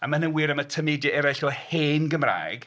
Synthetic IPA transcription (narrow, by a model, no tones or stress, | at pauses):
amanənwiːɾəmətʰəmedjəɛɾaɬɔheːnɡəmra̰ːjɡ̥